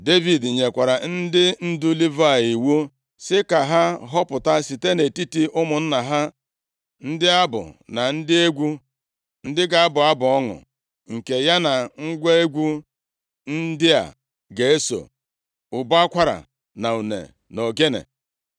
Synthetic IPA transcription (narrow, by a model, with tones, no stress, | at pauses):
de˦vi˨dɲe˨kʷa˨ɾa˨n̩˦dɪ˦n̩˦du˦li˦va˦˨i˨wu˦ | sɪ˦ka˨ɦa˦ɦɔ˦pʊ˨ta˦si˨te˦ne˨ti˦ti˦ʔʊ˦mʊ˨n̩˦na˨ɦa˦ | n̩˦dɪ˦a˦bʊ̰˨na˨n̩˦dɪ˦e˦ɡʷu˦ | n̩˦dɪ˦ɡa˨a˦bʊ˨a˦bʊ˨ɔ˦ŋʊ̰˨ | ŋ̩˨ke˨ja˦na˨ŋ̩˦ɡʷe˦e˦ɡʷu˦ | n̩˦dɪ˦a̰˨ | ɡe˨e˦so̰˨ | ʊ˨bʊ˦a˦kʷa˦ɾa̰˨ | na˨u˨nḛ˨ | no˨ɡe˦nḛ˨